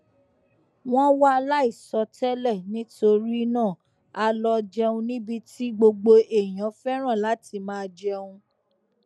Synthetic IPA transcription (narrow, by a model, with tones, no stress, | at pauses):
w̃ɔ̃˦wa˦˧la˦i˦˨sɔ˧˦tɛ˦lɛ˦˨nĩ˦to˧ɾi˦nã˦˨ | a˧lɔ˧d͡ʒɛ˧ũ˧nĩ˦bi˧ti˦ɡ͡bo˧ɡ͡bo˧ʔe˨j̃ã˨˦fɛ˦ɾ̃ã˦˨la˨˦ti˧mãː˦˧d͡ʒɛ˧ũ˧